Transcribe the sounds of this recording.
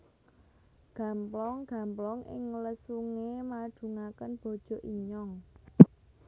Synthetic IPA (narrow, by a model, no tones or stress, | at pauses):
ɡ̥ä̤mplɔŋɡ̥ä̤mplɔŋʔɪ̰ŋləsuŋemḁd̥ṳŋakənb̥o̤d̥ʒ̥ɔ̤ʔiɲɔŋ